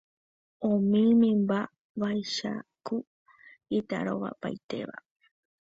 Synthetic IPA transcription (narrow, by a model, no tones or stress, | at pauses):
õmĩmĩmba | ʋajʃa̰ku | it̪a̰ɾoʋa̰pa̰jt̪e̞̰ʋa̰